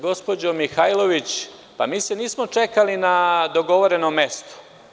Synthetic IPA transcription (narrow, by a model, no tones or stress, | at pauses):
ɡo̞spo̞d͡ʑo̞mixajlˠo̞ʋit͡ɕ | pa̰miːseniːsmot͡ʂe̞kalinad̪o̞ɡo̞ʋoɾe̞nomːe̞st̪o̥